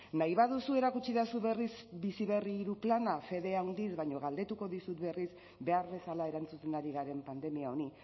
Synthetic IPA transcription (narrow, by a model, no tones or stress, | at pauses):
naiβaðusue̞ɾakut͡ʃiðasuβe̞rizbisiβe̞riːɾuplanafe̞ðe̞awnd̪izβajɲo̞ɣald̪e̞t̪uko̞ðisut̪̚be̞riz | be̞aɾβe̞salae̞ɾant͡sut̪e̞naɾiɣaɾe̞mpand̪e̞miao̞ni